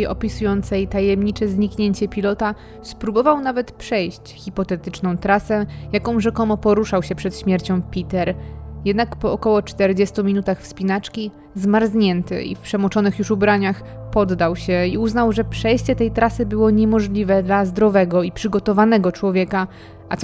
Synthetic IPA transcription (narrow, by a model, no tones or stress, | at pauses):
jɔpʲisujɔnt̪sɛjt̪ajɛmɲit͡ʂɛzɲikɲeɲt͡ɕɛpʲilɔt̪a | spɾubɔvawnavɛt̪pʂɛjɕt͡ɕxʲipɔt̪ɛt̪ɘt͡ʂnɔ̃w̃t̪ɾasɛjakɔ̃w̃ʐɛkɔmɔpɔɾuʂawɕɛpʂɛt̪ɕmʲjɛɾt͡ɕɔ̃w̃pʲit̪ɛɾjɛd̪nakpɔːkɔwɔt͡ʂt̪ɛɾd͡ʑɛst̪umʲinut̪axfspʲinat͡ʂkʲi | zmaɾzɲɛnt̪ɘ̰ḭfpʂɛmɔt͡ʂɔnɘxjuʂubɾaɲax | pɔd̪ːawɕɛiuznawʐɛpʂɛjɕt͡ɕɛt̪ɛjt̪ɾasɘbɘwɔɲɛmɔʐlʲivɛd̪lazd̪ɾɔvɛɡɔipʂɘɡɔt̪ɔvanɛɡɔt͡ʂwɔvʲjɛka | a